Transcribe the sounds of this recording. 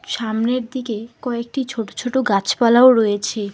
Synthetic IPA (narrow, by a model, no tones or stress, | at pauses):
ʃamneɾd̪ikekɔek̚ʈit͡ɕʰoʈo̥t͡ɕʰoʈoɡat͡ɕpalaoɾojet͡ɕʰe